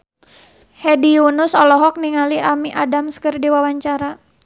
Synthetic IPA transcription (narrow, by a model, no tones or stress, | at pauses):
hediunʊsɔlɔɦɔk̚niŋaliʔamiʔadamskɨrdiwawaɲt͡ʃaɾa